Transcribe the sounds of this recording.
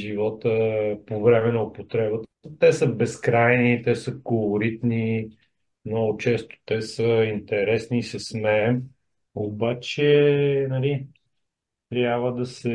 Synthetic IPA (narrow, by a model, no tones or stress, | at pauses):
ʒivɔt̪əpovɾɛmɛnɐʊpot̪ɾɛbət̪ət̪ɛsəbɛskɾajnit̪ɛsəkolˠoɾit̪ni | mnɔɡʊt͡ʃɛst̪o̥t̪ɛsəint̪ɛɾɛsnisɐsmɛm | obat͡ʃɛnɐli | t̪ɾʲjabvəd̪ɐsɛ